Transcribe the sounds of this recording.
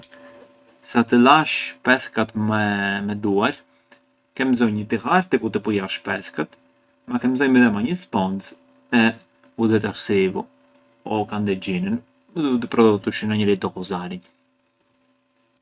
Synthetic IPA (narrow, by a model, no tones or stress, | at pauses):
sat̪əlaʃpɛθkat̪mmɛd̪uaɾ | kɛmzɔjɲət̪ixaɾt̪ɛkut̪ɛpujaʃpɛθkat̪ | makɛmzɔjmiðɛmaɲəspɔnt͡s | ɛ | ud̪ɛt̪aɾsivu | ɔkand̪ɛd͡ʑinən | əd̪ut̪̬əpɾɔd̪ɔt̪uʃənaɲəɾid̪ɔkɔzaɾiɲ